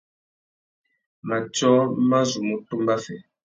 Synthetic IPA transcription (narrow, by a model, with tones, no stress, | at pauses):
ma˨t͡ʃɔ˦ma˦zu˨mu˨tu˦mba˦fɛ˨